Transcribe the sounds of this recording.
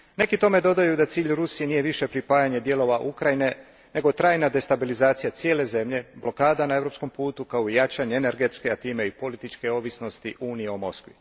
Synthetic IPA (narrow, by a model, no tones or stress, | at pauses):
ne̞kit̪o̞me̞d̪o̞d̪ajud̪at̪siːʎɾusije̞nije̞ʋiʃe̞pɾipaːjaɲe̞d̪je̞lo̞ʋaʔukɾajine̞ | ne̞ɡo̞t̪ɾaːjnad̪e̞st̪abilizaːt̪sijat̪sje̞ːle̞ze̞mʎe̞blo̞kaːd̪anae̞ʋɾo̞psko̞mpuːt̪ukaojat͡ʃaɲeːne̞ɾɡe̞t̪skeat̪iːme̞ipo̞lit̪it͡ʃke̞o̞ːʋisno̞st̪iʔuːnijeomo̞skʋi